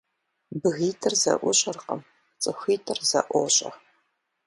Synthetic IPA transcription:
bɨɣiːtʰɨrzɐ̰ʔʷʊɕʼɐrqɐ̰m | t͡sʼɨxʷiːtʰɨrzɐ̰ʔʷoɕʼɐ̰

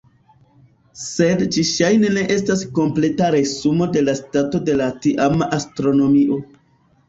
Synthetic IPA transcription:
se̞dd͡ʒiʃajne̞ne̞ʔe̞stasko̞mple̞taɾe̞sumo̞de̞lastato̞de̞latiʔamastɾo̞no̞miʔo̞

